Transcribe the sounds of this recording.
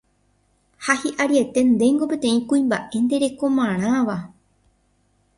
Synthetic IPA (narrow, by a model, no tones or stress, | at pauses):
hahiʔaɾie̞t̪e̞nd̪e̞ŋɡo̞pe̞t̪ẽ̞ĩkuĩmbaʔe̞nd̪e̞ɾe̞ko̞mãɾ̃ãʋa